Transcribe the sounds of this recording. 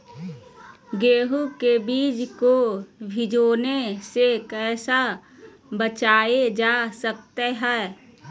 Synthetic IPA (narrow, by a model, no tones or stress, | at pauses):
ɡeːɦukebiːd͡ʒkobʱɪd͡ʒoːnesekɛːsa | bət͡ʃaːed͡ʒaːsək̚t̪eɦɛː